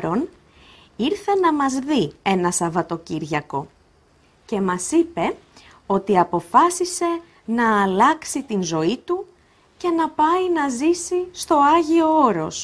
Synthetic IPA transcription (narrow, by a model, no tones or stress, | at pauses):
ɾo̞n | iɾθe̞nɐmɐzðie̞nɐsɐvɐt̪o̞ciɾʝɐko̞ | ce̞mɐsipe̞ | o̞t̪iɐpo̞fɐsise̞ | nɐːlɐksit̪inzo̞it̪u | ce̞nɐpɐinɐzisist̪o̞ɐʝio̞oɾo̞s